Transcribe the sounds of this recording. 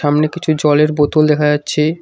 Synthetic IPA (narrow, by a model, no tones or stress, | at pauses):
amnekit͡ɕʰud͡ʑɔleɾbot̪uld̪ɛkʰad͡ʑatːɕʰe